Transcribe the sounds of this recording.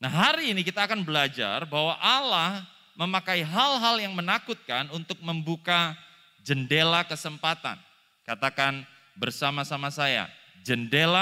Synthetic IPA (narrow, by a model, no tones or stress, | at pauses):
nahɦaɾiːnikit̪aːkanbəlad͡ʒa̰rbaɦwaʔalah | məmakaiɦalɦaljaŋmənakut̪̚kanunt̪ʊk̚məmbuka | d͡ʒəndelakəsəmpat̪a̰n | kat̪akan | bərsamasamasaja̰ | d͡ʒəndela